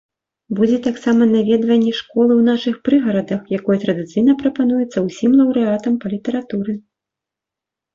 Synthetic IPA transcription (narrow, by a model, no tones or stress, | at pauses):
bud͡zʲɛt̪aksamɐnavʲɛd̪vɐnʲːɛʂkɔlˠɨwnaʂɨxpɾɨɣɐɾɐd̪ɐxjakɔjɛt̪ɾɐd̪ɨt̪sɨjnɐpɾɐpanujɛt̪sːɐwsʲimlˠɐwɾɨat̪ɐmpɐlʲit̪ɛɾat̪uɾɨ